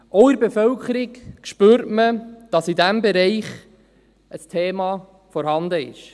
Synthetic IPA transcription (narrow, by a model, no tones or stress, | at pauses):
ʔɔʊɪɾbefœlkʰəɾɪkkʃpøːɾtməd̥ɑsidæmbɛɾɛɪχ | əstʰeːmɑ | fɔɾhɑnd̪əɪ̰ʃ